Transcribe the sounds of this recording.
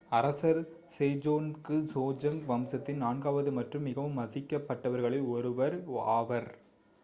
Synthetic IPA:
ɐɾɐsɐɾ | seːd͡ʒoːnkɯsoːd͡ʒɐŋʋɐmsɐt̪ːɪnnaːnɡaːʋɐðɯmɐʈrɯmːɪɣɐʋɯmːɐðɪkːɐpːɐʈːɐʋɐɾɣɐɭɐɪɔɾɯʋɐɾa̰ːʋɐɾ

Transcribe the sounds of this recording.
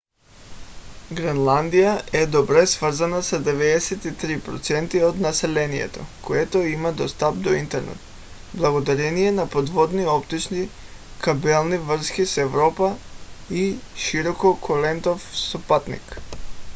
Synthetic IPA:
ɡɾɛnlˠand̪ijaʔɛd̪ɔbɾɛsvr̩zanasad̪ɛvɛd̪ɛsɛt̪it̪ɾipɾɔt̪sɛnt̪iod̪nasɛlɛnijɛ̰t̪o̰koɛt̪oimad̪ɔst̪ap̚d̪oint̪ɛɾnɛ̰t̪ | blˠaɡod̪aɾɛniɛnapod̪vɔd̪niɔpt̪it͡ʃni | kabɛlˠnivr̩skisɛvɾɔpaiʃiɾɔkokʰolɛnt̪ofsopat̪nḭk

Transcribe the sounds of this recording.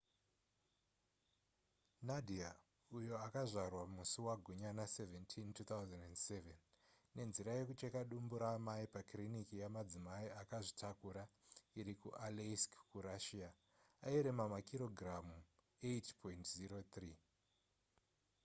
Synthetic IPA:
nadʱia | ujo̞akaʐarwamusiwaɡʱuɲanaseventʰintut̪awzendendse̞venː | e̞nziɾaje̞kut͡ʃekaɗumbuɾamaipakrinikijamad͡zimaiakaʐitʰakuɾaiɾikuʔaleskkuɾaʃia | aiɾemamakiɾo̞ɡʱramu | etpʰointziɾo̞t̪riː

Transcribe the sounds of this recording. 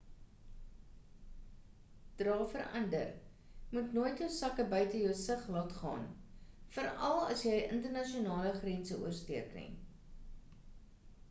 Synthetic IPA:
d̥rɑːfəɾɐ̰ndə̰r | mutnoːjtjəwsɐkəbœɥtəjəwsəχlɑːtχɑ̰ːnfəɾɐlˠɐ̰sjɛjʔə̰ntərnɐʃionɑːləχrɛnsəʔṵərstiərkrə̰ŋ

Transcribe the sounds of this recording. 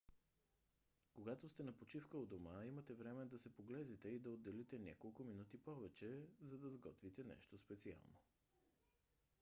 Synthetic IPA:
koɡat̪ost̪ɛnɐpot͡ʃifkəod̪omaimət̪ɛvɾɛmɛd̪ɐsɛpoɡlɛzɛt̪ɛid̪ɐod̪ːɛlit̪ɛnʲja̰kolˠkʊminut̪ipɔvɛt͡ʃɛzɐd̪ɐzɡɔ̰t̪vit̪ɛnɛ̰ʃt̪ospɛt̪sia̰lˠno

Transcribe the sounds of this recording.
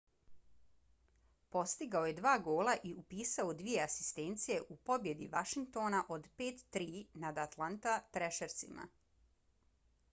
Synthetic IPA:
po̞st̪iɡaoje̞d̪ʋaːɡoːlˠaʔiupiːsaod̪ʋije̞asi̥st̪eːnt̪sije̞ʔupo̞bje̞d̪ḭʋaʃiŋk̚t̪o̞ːnaʔo̞d̪peːt̪ːɾiːnad̪at̪lˠant̪at̪ɾeʃeɾt̪sḭma̰

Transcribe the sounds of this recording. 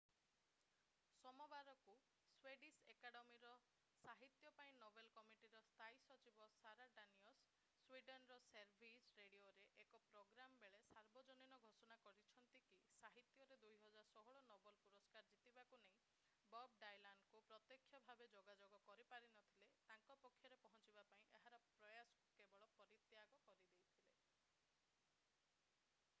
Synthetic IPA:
sɔmɔbaɾɔku | sweɖisekaɽɔmiɾɔ | saɦit̪jɔpaĩnobelkɔmiʈiɾɔst̪ʰaisɔt͡ʃibɔsaɾaɖaniɔsː | wiɖenɾɔseɾbʱisɾeɽioɾeʔekɔpɾoɡɾamɔbeɭesaɾbɔd͡ʒɔninɔɡʱosɔnakɔɾit͡ʃʰɔnt̪ikisaɦit̪jɔɾed̪ujɦɔd͡ʒaɾsɔɦɔɭɔnɔbɔlpuɾɔskaɾd͡ʒit̪ibakuneĩ | bɔb̚ɖajlaɳɖkupɾɔt̪jɔkʰːjɔbʱabed͡ʒoɡad͡ʒoɡɔkɔɾipaɾinɔt̪ʰilet̪aŋkɔpɔkʰːjɔɾepɔɦɔ̃t͡ʃibapaĩʔeɦaɾɔpɾɔjasɔ̥kebɔɭɔpɔɾit̪jaɡɔkɔɾid̪ejt̪ʰile

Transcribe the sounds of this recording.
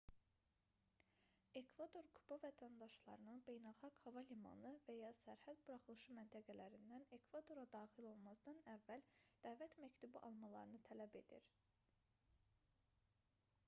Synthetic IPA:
e̞kʰvad̪o̞ɾkʰubɑvæt̪ʰænd̪ɑʃlˠɑ̰ɾɯnɯnbe̞jnælˠxɑɡhɑvɑlimɑ̰nɯvæjɑsæɾhæd̪buɾɑχɯlˠɯʃɯmænt̪ʰæɡælæɾind̪æne̞kʰvad̪o̞ɾɑd̪ɑːχilo̞lˠmɑzd̪ɑnævːæld̪̥æːvæt̪mæct̪ʰubiʔɑlˠmɑlˠɑ̰ɾɯnɯt̪ʰælæbe̞d̪̥ḭɾ

